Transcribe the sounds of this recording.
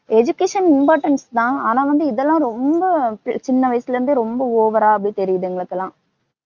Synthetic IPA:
ɛd͡ʒʊkeːʂɐnɪnpaːʈɐnst̪ãːaːnãːʋɐnd̪ɯɪðɛlːãːɾɔmbɐt͡ʃɪnːɐʋɐjsɯlɐɾɯnd̪ɯɾɔmbɐoːʋɐɾaːɐbɽit̪ɛɾɪjɐðɯŋɡɐɭɯk̪ːɐlãː

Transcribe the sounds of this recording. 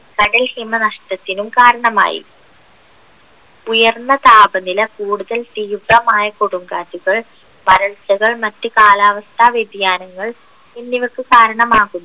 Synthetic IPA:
kɐɽɐlhimɐnɐʂʈɐt̪ːinumkaːɾɐɳɐma̰ːjḭ | ujɐrnːɐt̪aːbɐnilɐkuːɽuðɐlt̪ijubʱːɐmaːjɐkoɽumɡaːd͡ʑuɣɐɭ | ʋɐɾɐɭt͡ɕɐɣɐɭmɐtːɨkaːlaːʋɐst̪ʰaːʋjed̪ʱjaːnɐŋːɐɭ | enːiʋɐkːɨkaːɾɐɳɐmaːɣunːu

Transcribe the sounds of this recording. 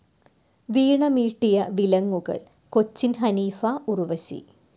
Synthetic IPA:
ʋiːɳɐmiːʈːijɐʋilɐŋːuɣɐ̰ɭ | kot͡ɕːinɦɐniːfɐuruʋɐɕḭ

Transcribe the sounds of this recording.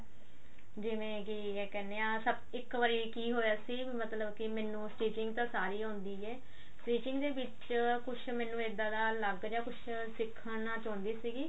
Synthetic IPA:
d͡ʒɪʋẽːki | ɛːkɛːneːãːsəb | ɪkʋəɾiːkiːɦoːjaːsiːmət̪ləbkɪmɛ̃ːnũːsʈiːt͡ʃɪŋɡt̪ãːsaːɾiːɦõːnd̪iːɛː | sʈiːt͡ʃɪŋɡd̪eːʋɪt͡ʃkʊt͡ʃʰmɛ̃ːnũːed̪ãːd̪aːləɡɾaːkʊt͡ʃʰ | sɪkʰːənaːt͡ʃõːnd̪iːsiːɡiː

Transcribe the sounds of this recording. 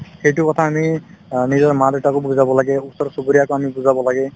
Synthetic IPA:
xejtʊkɔtʰaːminizɔɹmadetakobuzabɔlaɡɛusɔɹsobuɾijakoamibuzabɔlaɡɛ

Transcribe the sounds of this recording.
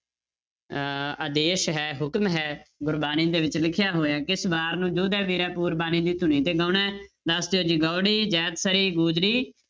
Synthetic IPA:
əd̪eːʃɦɛːɦʊkmɦɛːɡʊɾbaːniːd̪eːʋɪt͡ʃlɪkʰɪjaːɦoːjaːkɪsbaːɾnũːd͡ʒuːd̪ɛːbiːɾɛːpuːɾbaːniːd̪iːt̪ʊnĩːt̪eːɡãːnɛ̃ː | d̪əsd̪eːɦoːd͡ʒiːɡaːɽiːd͡ʒɛːt̪səɾiːɡuːd͡ʒɾiː

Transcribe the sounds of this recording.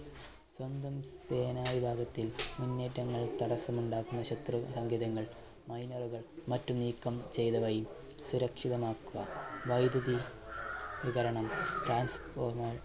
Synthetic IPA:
swɐnd̪ʱɐmseːnaːʋibʱaːɡɐt̪ːilmunːeːtːɐŋːɐɭt̪ɐɽɐsɐmuɳɖaːkunːɐɕɐt̪rusɐŋɡʱjɐðɐŋːɐɭ | mɐjnɐruɣɐɭmɐtːumniːkːɐmt͡ɕe̞jt̪ɐʋɐjum | suɾɐkʂiðɐmaːkːuʋɐ̰ʋɐjd̪ɐði | ʋiɣɐɾɐɳɐmʈraːnsfoːrmɐɭ

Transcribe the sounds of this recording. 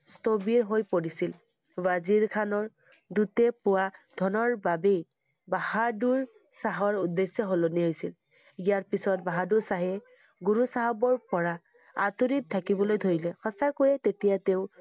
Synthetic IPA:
stobiɹɦojpoɹisil | baziɹkʰanɔɹ | dutɛpʊwadʱɔnɔɹbabej | bahaduɹ | saɦɔɹudesɔɦoloniɦojsil | ijaɹpisɔt̚baɦaduɹsaɦɛ | ɡuɹusaɦabɔɹpɔɹa | atuɾit̚tʰːakibɔlojdʱoɹilɛxɔsakojɛtetijateʊ

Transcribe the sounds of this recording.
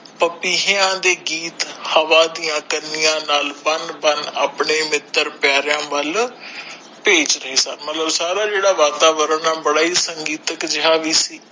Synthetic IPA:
pəpiːɦɪjãːd̪eːɡiːt̪həʋaːd̪ijãːkənɪjãːnaːlbənbənaːpɳeːmɪt̪ːəɾpjaːɾɪjãːʋəl | peːt͡ʃɾəɦeːsəɾmət̪ləbsaːɾaːd͡ʒeːɽaːʋaːt̪aːʋəɾəɳaːbəɽaːiːsəŋɡiːt̪əkd͡ʒɪɦaːʋiːsiː

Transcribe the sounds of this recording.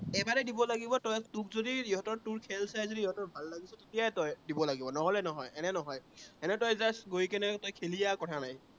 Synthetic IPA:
ɛbaɹɛdibɔlaɡibɔtɔjtukzodiiɦɔtɔɹtuɹkʰɛlsajzodiiɦɔtɔɹbʱalːaɡisɔtetijajtɔjdibɔlaɡibɔnɔɦɔlɛnɔɦɔjɛnɛnɔɦɔjɛnɛtɔjzasɡojkɛnɛtɔjkʰelijakɔtʰanaj

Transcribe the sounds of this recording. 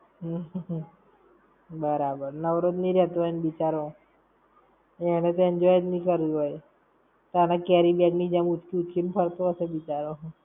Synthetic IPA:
ɦ | bəɾabəɾnəʋɾod̪niɾjət̪ʋanbit͡ʃaɾo | ɛɽ̃et̪end͡ʒɔjd̪nikəɾiɦoj | t̪anakɛɾibɛɡnid͡ʒãmut͡ʃkiut͡ʃkimpʰəɾt̪oəsebit͡ʃaɾoɦ

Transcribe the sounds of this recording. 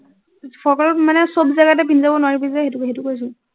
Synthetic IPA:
pʰɔɹkɔlɔmanɛsobzaɡatɛpʰinzabɔnʊwaɹibizɛxetukɦetukojs̬ʊ

